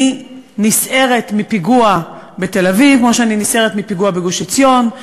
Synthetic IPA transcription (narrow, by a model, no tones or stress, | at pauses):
i | nisʔe̞ʁet̪mipiɡua | be̞te̞lavivkmoʃeaninisʔeʁet̪mipiɡuabeɡoʃit͡sjo̞n